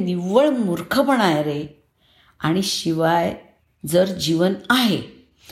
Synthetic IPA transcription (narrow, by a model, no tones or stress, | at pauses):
niʋəɭmuɾkʰəpəɽ̃ajɾe | a̰ɽ̃iɕiʋaj | d͡zəɾd͡ʑiʋənaɦe